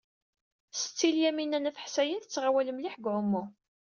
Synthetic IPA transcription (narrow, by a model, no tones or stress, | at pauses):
sə̥t͡sːiljæminænæθħsæjəθt͡sːʁawæləmliħɡʕʊmːʊ